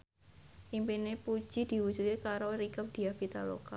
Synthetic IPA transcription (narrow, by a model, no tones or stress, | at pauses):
ʔimpinepu̥d͡ʒ̥id̪̥i̤wud͡ʒut̪̚kekaɾoɾikəp̚d̥i̤abit̪alo̰ka